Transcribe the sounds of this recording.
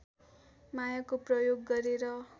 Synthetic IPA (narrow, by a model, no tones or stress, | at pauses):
majakoprʌjoɡːʌɾeɾʌ